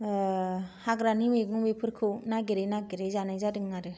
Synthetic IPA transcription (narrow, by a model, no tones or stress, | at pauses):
haɡɾanimeɡŋumepʰɯɾkʰɯnaɡeɾejnaɡeɾejzanajzadɯŋnaɾɯ